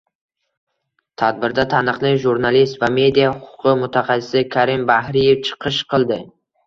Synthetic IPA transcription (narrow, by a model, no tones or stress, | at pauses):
t̪ʰad̪̚bɪɾd̪at̪ʰanɨqlˠɪʒuɾnalist̪vame̞d̪ijahʊqʰʊ̥qʰɨmʊt̪ʰaχasɪ̥sɪkʰaɾɪmbahɾije̞ft͡ʃʰɨ̥qʰɨʃqʰɨlˠd̪ɪ